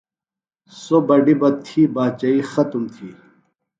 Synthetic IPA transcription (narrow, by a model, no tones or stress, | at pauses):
sobɐɖibɐt̪ʰiːbaːt͡ɕɐiːxɐt̪umt̪ʰiː